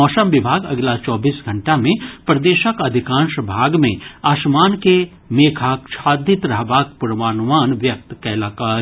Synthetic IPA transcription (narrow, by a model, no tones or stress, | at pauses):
ɔːsəmʋɪbʱaːɡɐ̰ɡlat͡ʃɔːbiːsɡʱɐ̃ɳʈamẽpɾɐd̪eːʃəkɐd̪ʱikãːnʃbʱaːɡmẽaːʃmaːnke | meːkʰaːkʃʰaːd̪ɪt̪ɾɐɦbaːk̚puɾʋaːnʋaːnʋjɐk̚t̪kɛːlaːkaːɾ